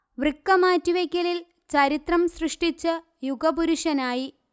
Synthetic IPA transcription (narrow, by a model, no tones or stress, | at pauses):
ʋrɨkːɐmaːtːiʋekʲːɐlil | t͡ɕɐɾit̪rɐmsrɨʂʈit͡ɕːɨ | juɡɐbuɾuʂɐnaːji